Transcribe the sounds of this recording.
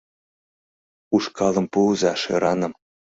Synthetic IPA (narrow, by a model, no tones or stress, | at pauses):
uʃkɑlɤ̆mpuzɑʃɤ̰ɾɑnɤ̆m